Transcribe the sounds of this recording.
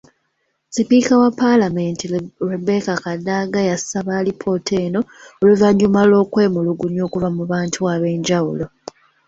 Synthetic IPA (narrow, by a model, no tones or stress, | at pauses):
sipiːkawapːalamentirebe̞kakadaɡajasaβaːlipʰo̞tʰe̞ːno̞oluvaɲːumalo̞ːkwe̞ːmuluɡunjo̞ːkuvamuβaːntʰuaβe̞ːɲɟawulo̞